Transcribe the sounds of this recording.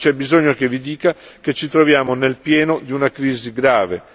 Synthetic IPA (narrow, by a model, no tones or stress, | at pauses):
t͡ʃɛbizoɲːok̟evid̪iːkak̟et͡ʃːit̪ɾovjaːmonelpjɛːnod̪iunakɾiːziɡɾaːve